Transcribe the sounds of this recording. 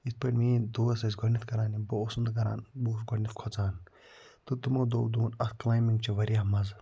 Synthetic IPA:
is̚pɐɾmĩːd̪oːɐsɐsɡʱɔnit̪kɐɾaːniboːsund̪kɐɾa̰ːnboːsɡonit̪kʰɔt͡saːn | t̪ut̪umoːd̪oːd̪uːnɐt̪klaːjmiŋɡt͡ʃiʋɐɾjaːmɐz

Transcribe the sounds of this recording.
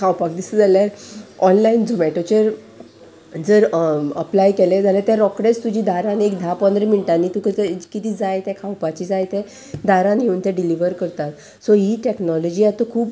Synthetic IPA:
kʰawpak̚d̪isəd͡zaljaɾɔnlaind͡zomɛʈot͡ɕeɾ | d͡zəɾəplajkɛled͡zalet̪jaɾɔkɽet͡st̪ud͡ʑiːd̪ʱaɾãnekd̪ʱapɔnd̪ɾeminiʈanːiːt̪ukət̪kit̪iːd͡zajt̪jɛkʰawpat͡ɕiːd͡zajt̪ɛ | d̪ʱaɾãnɦeunt̪ɛɖiliʋəɾkəɾt̪at̪ | sɔɦiʈeknɔlɔd͡ʑiːjat̪okʰuːp

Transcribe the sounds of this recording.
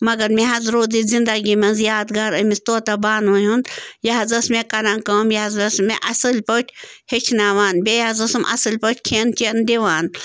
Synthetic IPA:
mɐɡɐɾmeɦɐzɾoːd̪izind̪ɐɡimɐnzjaːd̪ɡaːɾɐmist̪oːt̪ɐbaːnoɦund̪jɐɦɐzɐsmekɐɾãnkɐːmjaɐzɐsmeʔɐsɨlʲpoʈʰʲhet͡ʃʰnaːʋaːnbejaːzɐsɨmʔɐ̰sɨlʲpɐʈʰʲkʰent͡ʃend̪iʋaːn

